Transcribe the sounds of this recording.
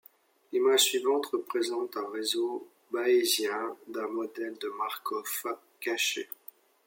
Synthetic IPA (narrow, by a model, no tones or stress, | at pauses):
limaʒsɥivɑ̃t̪χəpχezɑ̃t̪ɛ̃ʁezo | baezjɛ̃d̪ɛ̃mɔd̪ɛld̪əmaʁkɔf | kaʃḛ